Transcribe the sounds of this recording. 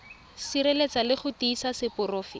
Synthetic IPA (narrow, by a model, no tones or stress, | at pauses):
siɾelet͡salɪχʊtiːsasɪpʊroːfi